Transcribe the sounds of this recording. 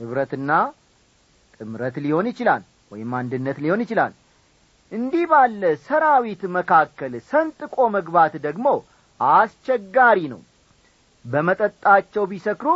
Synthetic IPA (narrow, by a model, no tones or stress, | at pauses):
ɨβɾət̪ɨnːa | t̪ʼɨmɾət̪liho̞njɪt͡ʃɪla̰l | wɔ̰jɪmːand̪ɨnːət̪liho̞njɪt͡ʃɪla̰l | ʔɨnd̪ihbalːəsəɾawit̪məkʰakːəlsənt̪ʼɨkʼo̞məɡbat̪d̪əɡmo̞ | ʔast͡ʃːɛɡːaɾinə̰w | bəmət̪ʼət̪ʼːat͡ʃːɛwbisəkɾu